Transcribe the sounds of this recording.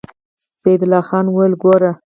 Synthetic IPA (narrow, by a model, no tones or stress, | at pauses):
sejd̪lɑxɑnwalɡoɾa